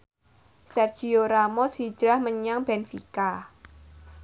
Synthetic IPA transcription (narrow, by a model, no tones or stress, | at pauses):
sɛrd̥ʒ̥ioɾamɔshi̥ʒ̥ɾahməɲaŋb̥ɛnfika